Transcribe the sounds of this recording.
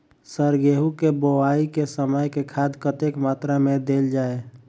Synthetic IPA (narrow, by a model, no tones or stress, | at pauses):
səɾɡeɦukebowaikesəməjkekʰaːd̪kət̪ekmaːt̪ɾamẽd̪eːld͡ʒaːe